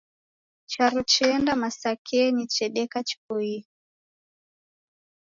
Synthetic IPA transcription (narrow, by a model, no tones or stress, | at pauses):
t͡ʃaɾut͡ʃɛndamasakʰɛnit͡ʃɛɗɛkat͡ʃi̥pui